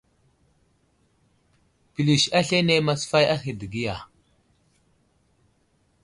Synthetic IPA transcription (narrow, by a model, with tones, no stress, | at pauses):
pi˨li˨ʃa˦ɬe˦ne˦ma˨sfa˦ja˦xi˨di˨ɡi˦ja˨